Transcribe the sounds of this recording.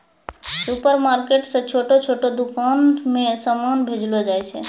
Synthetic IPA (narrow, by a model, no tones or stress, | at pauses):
supəɾmaɾkeʈsə̃t͡ʃʰoʈot͡ʃʰoʈod̪ukanmẽsamanbʱed͡ʒlod͡ʒajt͡ʃʰɛ̰